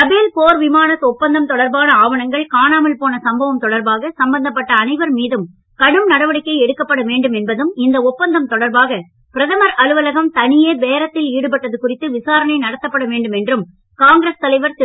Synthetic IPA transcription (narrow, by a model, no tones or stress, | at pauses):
ɐbeːlpoːɾʋɪmaːnɐt̪ːɔpːɐnd̪ɐmt̪ɔɽɐɾbaːnɐaːʋɐnɐŋɡɐɭkaːnaːmɐlpoːnɐsɐmbʱɐʋɐmt̪ɔɽɐɾbaːɣɐsɐmbɐnd̪ɐp̬ːɐʈːɐːnɐɪʋɐɾmiːðɯm | kɐɽɯmnɐɽɐʋɐɽɪkːɐɪɛɽɯkːɐpːɐɽɐʋeːɳɖɯmɛnbɐðɯmɪnd̪ɐɔpːɐnd̪ɐmt̪ɔɽɐɾbaːɣɐ | pɪɾɐðɐmɐɾɐlɯʋɐlɐɣɐmt̪ɐnɪjeːʋeːɾɐt̪ːɪliːɽɯp̬ɐʈːɐðɯkʊrɪt̪ːɯʋɪsaːɾɐɳɐɪnɐɽɐt̪ːɐpːɐɽɐʋeːɳɖɯmɛndrɯm | kaːŋɡɾeːst̪ɐlɐɪʋɐɾt̪ɪ